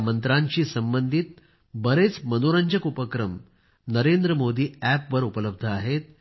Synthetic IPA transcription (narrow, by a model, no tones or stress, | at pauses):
mənt̪ɾaɲt͡ɕiːsəmbənd̪ʱit̪̚ | bəɾet͡smənoɾəɲd͡ʑəkupəkɾəm | nəɾend̪ɾəmod̪ʱiːæpʋəɾupələb̚d̪ʱəaɦet̪̚